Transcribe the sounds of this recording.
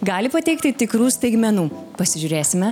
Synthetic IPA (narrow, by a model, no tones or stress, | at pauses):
ɡɑːlʲɪpɐt̪ʲɛɪkt̪ʲɪt̪ʲɪkɾuːst̪ɐɪɡmʲɛnuːpɐsʲɪʒʲuːɾʲeːsʲɪmʲɛ